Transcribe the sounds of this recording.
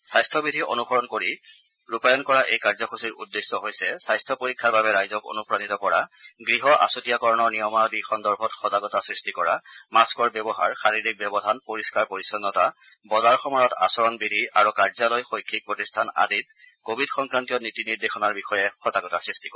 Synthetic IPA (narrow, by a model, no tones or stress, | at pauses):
sajstʰɔbidʱiʔo̰nuxɔɹɔnkoɹi | ɹupajɔnkɔɹaʔejkaɹzɔxusiɹʔṵdːesːɔɦojsɛsajstʰɔpoɹikʰːaɹbabɛɹajzɔko̰nupɹanitɔpɔɹa̰ɡɹiɦɔʔa̰sutijakɔɹɔnɔɹnijɔmadixɔndɔɹbʱɔtxɔzaɡɔtasɹistikɔɹa̰maskɔɹbɛbɔɦa̰ɹxaɹiɹik̚bɛbɔdʱanpoɹiskaɹpoɹisɔnːɔta | bɔzaɹxɔmɔjɔta̰sɔɹɔnbidʱia̰ɹukaɹzalɔjxojkʰːik̚pɹɔtistʰana̰dit | kobʱidxɔŋkɹantijɔnitiniɹdexɔnaɹbixɔjɛxɔzaɡɔtasɹisti̥kɔ